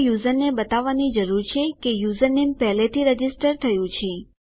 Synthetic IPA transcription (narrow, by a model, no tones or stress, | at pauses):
juzəɾnebət̪aʋːanid͡ʒəɾuɾt͡ʃʰekejuzəɾnempɛɦlet̪ʰiɾəd͡ʒisʈəɾt̪ʰəjũt͡ʃʰe